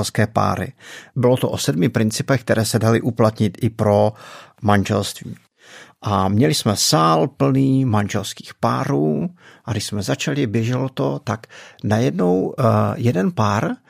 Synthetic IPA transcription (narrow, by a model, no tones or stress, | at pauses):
ɛlskɛːpa̰ːɾɪ̰bɪlot̪oʔosɛdmɪpɾɪnt͡sɪpɛxk̚t̪ɛɾʔɛːsɛdalɪʔuplat̪ɲɪt̪ʔɪpɾo̞manʒɛlst̪vḭː | ʔamɲɛlɪsmɛsaːlpl̩niːmanʒɛlski̥ːxpa̰ːɾuːʔaɡɾɪʃsmɛzat͡ʃalɪbjɛʒɛlot̪o̞t̪aknajɛdnowjɛdɛnpaːɾ